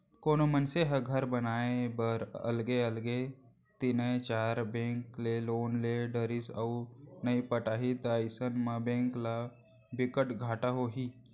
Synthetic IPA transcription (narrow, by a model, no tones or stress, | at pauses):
koːnomənseɦəɡʱəɾbənaːẽbəɾə̰lɡeəlɡe | t̪inəet͡ʃaːɾbẽːŋkleloːnleɖəɾisəwnəipəʈaːɦit̪ajsənmabẽːŋkla | bɪkəʈɡʱaːʈaɦoɦiː